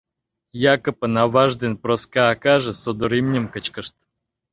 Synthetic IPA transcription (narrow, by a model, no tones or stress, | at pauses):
jakəpənavaʐd̪ɨnpɾoskaːkaʐɨsod̪oɾimnʲɪmkət͡ɕkəʂt̪